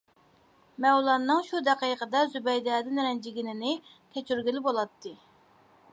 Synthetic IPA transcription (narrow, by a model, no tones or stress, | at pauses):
mɛwlˠɑnːɨŋʃud̪ɛqijqəd̪ɑzybɛjd̪ɛːd̪ɨnɪɾɛnd͡ʒiɡʲinɪnɪ | kʲʰɛt͡ʃyɾɡʲilɪbolˠɑt̪ʰːɨ